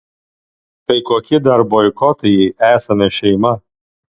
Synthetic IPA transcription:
t̪ɐɪkoːkʲɪd̪ɐɾbojkɔt̪ɐjɛʔæːsɐmʲɛʃʲɛɪmɐ

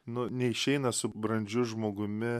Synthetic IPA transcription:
nʊnʲɛɪʃʲɛɪnɐsʊbɾɐnʲd͡ʒʲʊʒmoːɡʊmʲɪ

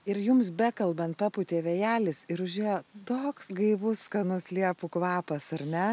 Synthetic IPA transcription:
ɪɾjʊmsbʲækɐlˠbɐnt̪pɑːpʊt̪ʲeːʋʲejæːlʲɪsɪɾʊʒʲeːjoːt̪oːksɡɐɪʋʊskɐtnʊsʲlʲiɛpʊkʋɑːpɐsɐɾʲnʲɛ

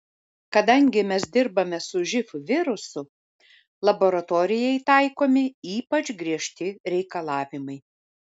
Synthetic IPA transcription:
kɐd̪ɐŋʲɡʲɪmʲɛsd̪ʲɪɾbɐmʲɛsʊʒʲɪfʊʋʲɪɾʊsʊ | lˠɐboɾɐt̪oːɾʲɪjɛɪt̪ɐɪkoːmʲɪiːpɐt͡ʃɡɾʲiɛʃʲt̪ʲɪɾʲɛɪkɐlˠɑːʋʲɪmɐɪ

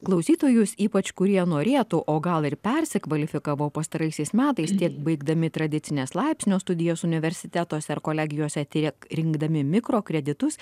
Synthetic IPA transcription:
klˠɐʊsʲiːt̪oːjʊsiːpɐt͡ʃkʊɾʲiɛnoːɾʲeːt̪uʔoːɡɐlˠɪɾpʲɛɾʲsʲɪkʋɐlʲɪfʲɪkɑːʋoːpɐst̪ɐɾɐɪsʲɛɪsmʲæːt̪ɐɪst̪ʲiɛk̚bɐɪɡd̪ɐmʲɪt̪ɾɐd̪ʲɪt̪ʲɪnʲeːslˠɐɪpʲsʲnʲoːst̪ʊd̪ʲɪjoːsʊnʲɪʋʲɛɾʲsʲɪt̪ʲæːt̪oːsʲɛɪɾkoːlʲæːɡʲɪjoːsʲɛt̪ʲɪkɾʲɪŋɡd̪ɐmʲɪmʲɪkɾoːkɾʲɛd̪ʲɪt̪ʊs

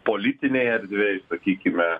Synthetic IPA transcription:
poːlʲit̪ʲɪnʲɛɪɐɾʲd̪ʲʋʲɛjsɐkʲiːkʲɪmʲɛ

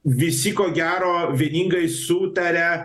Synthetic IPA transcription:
ʋʲɪsʲɪkoːɡʲæːɾoːʋʲiɛnʲiːŋɡɐɪsuːt̪ɐɾʲɛ

